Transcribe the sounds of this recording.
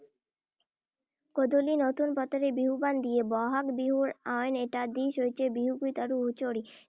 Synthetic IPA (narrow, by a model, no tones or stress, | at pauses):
kod̪olinot̪unpɔt̪oɾebiɦuband̪ijebɔɦakbiɦuɾaneʈad̪iʃojt͡ɕʰebiɦuɡujt̪aɾuut͡ɕoɾi